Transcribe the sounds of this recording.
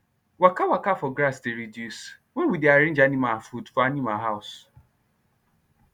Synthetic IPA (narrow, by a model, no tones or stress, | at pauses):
wakawakafɔɡɾasdeɾidjus | wɛ̃wideaɾɪ̃n̩d͡ʒanĩmafudfɔanimaɦaʊs